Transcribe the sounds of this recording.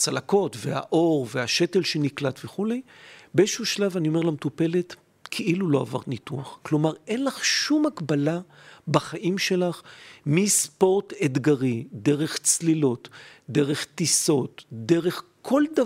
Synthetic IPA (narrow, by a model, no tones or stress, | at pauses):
t͡salako̞tvea̰ʔo̞ʁveaʃetelʃeniklatveχulejbeeʃuʃlavanio̞melamt̪upe̞let̪ | kʰeʔilulo̞a̰va̰ʁnituaχklo̞maʁe̞nlaχʃumaɡbala | baχaʔimʃelaχmispo̞ʁted̪ɡaʁideʁe̞χt͡slilo̞tdeʁe̞χt̪iso̞tdeʁe̞χkʰo̞lda